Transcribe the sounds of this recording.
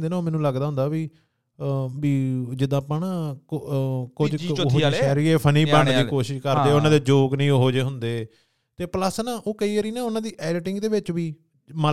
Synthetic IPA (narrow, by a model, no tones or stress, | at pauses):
d̪eːnaːoːmɛ̃ːnũːləɡd̪aːɦʊ̃nd̪aːʋiː | biːd͡ʒɪd̪ãːpaːnaː | kʊd͡ʒɦoɛːɾiːeːpʰəniːbəɳd̪iːkoːʃɪʃkəɾd̪eːʊnãːd̪eːd͡ʒoːɡnəĩːoɦoːd͡ʒeːɦʊnd̪eː | t̪eːpləsnãːʔoːkəiːəɾiːnãːʊnãːd̪iːʔɛːɖɪʈɪŋɡd̪eːʋɪt͡ʃʋiː | mə